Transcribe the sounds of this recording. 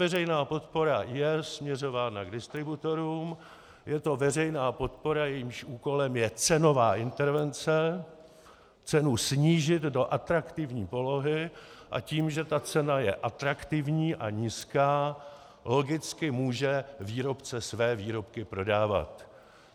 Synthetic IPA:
vɛrɛjnaːpo̞t̪po̞ɾajɛsmɲɛro̞vaːnaɡdɪst̪ɾɪbut̪o̞ɾuːm | jɛt̪o̞vɛrɛjnaːpo̞t̪po̞ɾajɛjiːmʃʔuːko̞lɛmjɛt͡sɛno̞vaːʔɪnt̪ɛɾvɛnt͡sɛ | t͡sɛnusɲiːʒɪd̪do̞ʔat̪ɾakt̪ɪvɲiːpo̞lo̞ɦɪʔa̰ciːmʒɛt̪at͡sɛnajɛʔat̪ɾakt̪ɪvɲiːʔaɲiːskaː | lo̞ɡɪt͡skɪmuːʒɛviːɾo̞pt͡sɛsvɛːviːɾo̞pkɪpɾo̞daːva̰t̪

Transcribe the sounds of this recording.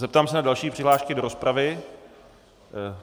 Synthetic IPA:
zɛp̚t̪aːmsɛnadalʃiːpr̥ɪɦlaːʃkɪdo̞ɾo̞spɾavɪ

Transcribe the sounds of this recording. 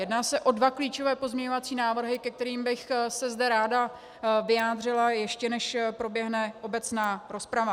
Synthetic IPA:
jɛdnaːsɛʔo̞dvakliːt͡ʃo̞vɛːpo̞zmɲɛɲovat͡siːnaːvr̩ɦɪkɛk̚t̪ɛɾiːmbɪxsɛzdɛɾaːda | vɪjaːd̪r̝ɪlajɛʃcɛnɛʃpɾo̞bjɛɦnɛʔo̞bɛt͡snaːɾo̞spɾava

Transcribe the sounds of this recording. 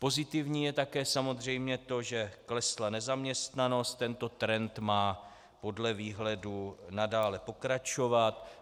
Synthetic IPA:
po̞zɪt̪ɪvɲiːjɛt̪akɛːsamo̞zr̝ɛjmɲɛt̪o̞ʒɛklɛslanɛzamɲɛst̪nano̞st̪t̪ːɛnt̪o̞t̪ɾɛnt̪maː | po̞dlɛviːɦlɛdunadaːlɛpo̞kɾat͡ʃo̞vat̪

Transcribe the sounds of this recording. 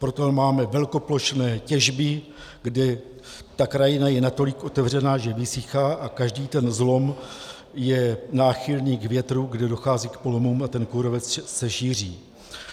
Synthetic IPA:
pɾo̞t̪omaːmɛvɛlko̞plo̞ʃnɛːcɛʒbɪ | ɡdɛ | t̪akɾajɪnajɛnat̪o̞lɪkʔo̞t̪ɛvr̝ɛnaːʒɛvɪsɪxaːʔakaʒdiːt̪ɛnzlo̞m | jɛnaːxɪlniːɡvjɛt̪ɾuɡdɛdo̞xaːziːkpo̞lo̞muːmat̪ɛnkoɾo̞vɛt͡ssɛʃiːr̝iː

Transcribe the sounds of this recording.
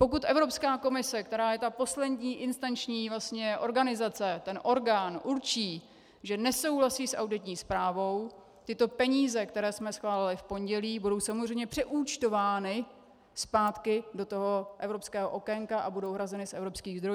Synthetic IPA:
po̞k̬ut̪ʔɛvɾo̞pskaːko̞mɪsɛkt̪ɛɾaːjɛt̪apo̞slɛdɲiːʔɪnst̪ant͡ʃɲiːvlast̪ɲɛʔo̞ɾɡanɪzat͡sɛt̪ɛnʔo̞ɾɡaːnʔuɾt͡ʃiː | ʒɛnɛso̞wɦlasiːsʔa̰wdɪt̪ɲiːspɾaːvo̞w | t̪ɪt̪o̞pɛɲiːzɛk̚t̪ɛɾɛːsmɛsxvaːlɪlɪfpo̞ɲɟɛliːbudo̞wsamozr̝ɛjmɲɛpr̥ɛʔuːt͡ʃt̪o̞vaːnɪ | spaːt̪kɪdo̞t̪o̞ɦo̞ʔɛvɾopskɛːɦoʔo̞kɛŋkaʔabudo̞wɦɾazɛnɪsʔɛvɾo̞pskiːɣzd̪ɾo̞j

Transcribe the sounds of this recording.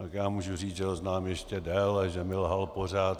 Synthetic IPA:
t̪akjaːmuːʒuriːt͡sʒɛt̪oznaːmjɛʃcɛdɛːlaʒɛmɪlɦalpor̝aːt̪

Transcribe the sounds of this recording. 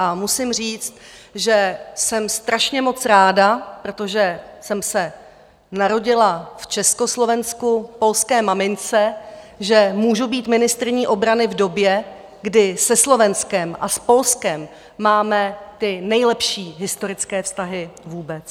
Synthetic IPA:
ʔamusɪmr̝iːt͡st̪̚ʒɛsɛmst̪ɾaʃɲɛmo̞t͡sɾaːdapɾo̞t̪o̞ʒɛsɛmsɛ | naɾo̞ɟɪlaft͡ʃɛsko̞slo̞vɛnskupo̞lskɛːmamɪnt͡sɛ | ʒɛmuːʒubiːt̪mɪnɪst̪ɾɪɲiːʔo̞bɾanɪvdo̞bjɛ | ɡdɪsɛslo̞vɛnskɛmʔa̰spo̞lskɛmː | aːmɛt̪ɪnɛjlɛpʃiːɦɪst̪o̞ɾɪt͡skɛːfst̪aɦɪvuːbɛt͡s

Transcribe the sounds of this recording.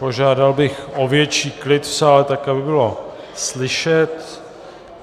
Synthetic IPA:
po̞ʒaːdalbɪxʔovjɛt͡ʃiːklɪt̪fsaːlɛt̪akabɪbɪlo̞ | slɪʃɛt̪

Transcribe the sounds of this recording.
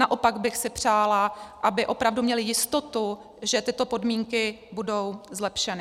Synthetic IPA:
naʔo̞paɡbɪxsɪpr̝̥aːlaʔabɪʔo̞pɾavdumɲɛlɪjɪst̪o̞t̪u | ʒɛt̪ɪt̪o̞po̞dmiːŋkɪbudo̞wzlɛpʃɛnɪ

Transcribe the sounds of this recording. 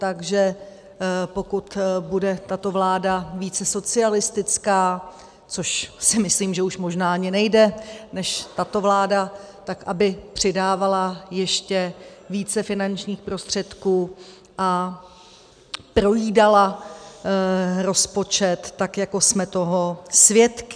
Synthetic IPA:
t̪aɡʒɛ | po̞kut̪budɛt̪at̪o̞vlaːdaviːt͡sɛso̞t͡sɪalɪst̪ɪt͡skaː | t͡so̞ʃsɪmɪsliːmʒɛuʃmo̞ʒnaːaɲɪnɛjdɛnɛʃt̪at̪o̞vlaːda | t̪akʔabɪpr̝̥ɪdaːvalajɛʃcɛviːt͡sɛfɪnant͡ʃɲiːxpɾo̞st̪r̝̥ɛt̪kuː | ʔa | pɾo̞jiːdala | ɾo̞spo̞t͡ʃɛt̪ːakjako̞smɛt̪o̞ɦo̞svjɛt̪kɪ

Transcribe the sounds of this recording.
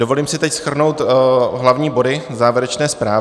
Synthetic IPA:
do̞vo̞liːmsɪt̪ɛcsxr̩no̞wt̪ɦlavɲiːbo̞dɪzaːvjɛɾɛt͡ʃnɛːspɾaː

